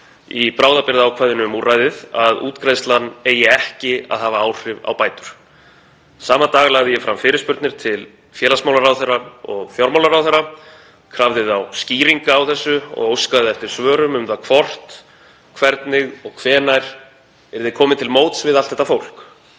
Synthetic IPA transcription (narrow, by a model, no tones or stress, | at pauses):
ipɾaːwðapɪɾðaːwkʰvajðɪnʏmurʔaːjðɪðaðṵːt̪kɾajst̪lanːeːjɪɛhcɪa̰ðɦaːvaaːwr̥ɪva̰wpaːjt̪ʏɾ̥ | saːmat̪aːɣlaɣðɪjɛfɾamfɪːɾɪspʏɾt̪nɪɾ̥t̪ʰɪl | fjɛːlasmawlaɾawθɛraɔɣθjawɾmawlaɾawθɛɾa | kʰɾavðɪðawsciːɾiŋkaːwθɛsːʏɔ̰ɣowskaðɪɛft̪ɪɾ̥svœːɾʏmʏmðakʰvɔr̥t̪ | kʰvɛɾt̪nɪɣɔɣkʰvɛːnajɾ̥ | ɛɾðɪkʰɔːmɪnt̪ʰɪlmoːwt̪svɪðalt̪ːɛht̪afowl̥k